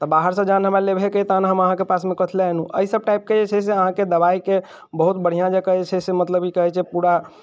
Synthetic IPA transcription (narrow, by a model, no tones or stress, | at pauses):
t̪ɔbaɦəɾsə̃d͡ʒanɦəmalebʱeket̪anɦəməɦãkepasmẽkət̪ʰleɛnũʔə̰isəb̚ʈajp̚ked͡ʒet͡ʃʰɛseəɦãked̪əβaike | bəɦut̪̚bəɽ̤ijãd͡ʒekəɦet͡ʃʰɛsemət̪ləbikəɦɛt͡ʃʰɛpuɾa